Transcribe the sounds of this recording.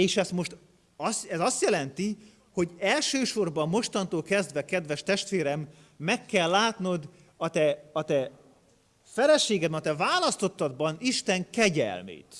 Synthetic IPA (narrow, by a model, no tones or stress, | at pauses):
eːʃɛst̪mo̞ʃt̪ | ɒsɛzɒst̪jɛlɛnt̪i | ho̞ɟɛlʃøːʃo̞rbɒmːo̞ʃt̪ɒnt̪oːlkɛzd̪vɛkɛd̪vɛʃt̪ɛʃt̪ʋeːɾɛmː | ɛkːɛlːaːt̪no̞d̪ | ɒt̪ɛɒt̪ɛ | fɛlɛʃeːɡɛd̪bɛnt̪ɛvaːlɒst̪o̞t̪ːɒd̪bɒniʃt̪ɛŋkɛɟɛ̰lmḛːt̪